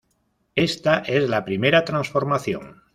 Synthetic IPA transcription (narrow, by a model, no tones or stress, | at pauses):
e̞st̪aʔe̞zlapɾime̞ɾat̪ɾansfo̞ɾmaθjo̰ŋ